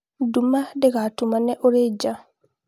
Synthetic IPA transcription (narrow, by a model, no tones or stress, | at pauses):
dumːadɛɡatumanːɛʔɔɾɛd͡ʒa